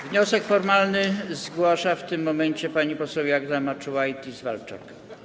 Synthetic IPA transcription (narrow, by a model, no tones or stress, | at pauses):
vɲɔsɛkfɔɾmalnɘzɡwaʂaft̪ɘmːɔmɛɲt͡ɕɛpaɲipɔsɔwjaɡzamat͡ʂuwajt̪izvalt͡ʂa̰k